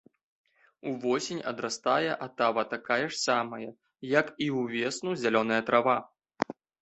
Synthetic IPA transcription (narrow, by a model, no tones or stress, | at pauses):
uvɔsʲenʲɐd̪ɾast̪ajɛʔat̪avɐt̪akajɛʂsamɐjɐ | jɐkiwvʲɛsnuzʲalʲɔn̪ɐjɐt̪ɾʔava